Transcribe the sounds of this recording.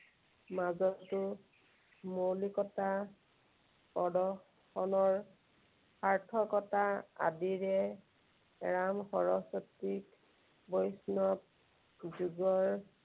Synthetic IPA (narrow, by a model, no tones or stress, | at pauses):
mazɔtʊ | molikɔta | pɔdɔ | xɔnɔɹ | paɹtʰɔkɔtaa̰diɹɛ | ɹamxɔɹɔsɔtːik | bɔjsnɔp̚ | zuɡɔɹ